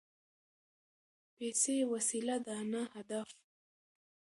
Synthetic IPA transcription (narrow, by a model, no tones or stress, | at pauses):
pesewasilad̪əanahad̪af